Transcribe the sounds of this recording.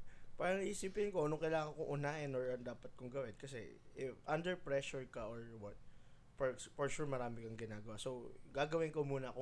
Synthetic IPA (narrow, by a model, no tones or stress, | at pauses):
paːɾɐŋɐʔiːsiːpɪnkonoŋkɐlaːŋɐŋkoŋʔʊnaːʔɪnoɹɐnd̪aːpɐt̪̚kʊŋɡɐwɪnkɐsɛ̰ɪʔɐnd̪ɛɹpɹɛʃʊɹkɐʔoɹwɐt̪̚ | pɛpɔɹʃuɹmɐɾaːmɪkɐŋɡɪnaːɡɐwasoɡaːɡɐwɪnkomuːnɐɐko